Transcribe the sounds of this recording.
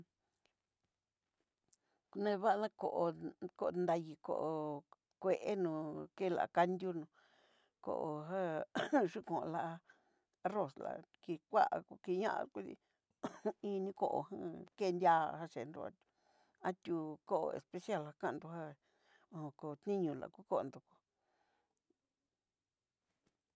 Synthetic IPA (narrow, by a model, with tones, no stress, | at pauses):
nẽ˧βa˦˧nã˦ko˧˨ʔo˧ko˧nd̪a˧ji˧ko̰˧˨ʔo˧ | kʷe˧ʔe˦nũː˧ke˦˧la̰˨˧ka˦˧nd̪ʲju˦nũ˧ | ko̰˧˨ʔo˧ɦa˦ʐu˦kõ˨ʔla˧ʔa˧ | a˧ro˨sla̰˨˧ki˧kʷa˦ʔku˧ki˧ɲã̰˦ʔa̰˧ku˦ðḭ˧ | ĩ˦˧nĩ˧ko˧ʔo̰˧hã˦ke˦˧nd̪ʲa˦˧ha˦˧ʂe˨nd̪ṵ˧a̰˧ | a˦t̪ʲu˧ko˦ʔo̰˧ḛ˨spe˧sja˦˨lha˧kã˦˧n˧d̪u˧ha˦ | õ˧ko˧t̪nĩ˦ɲũ˧˨la̰˨˧ku˦ko˦o˧nd̪u˧ku̥˧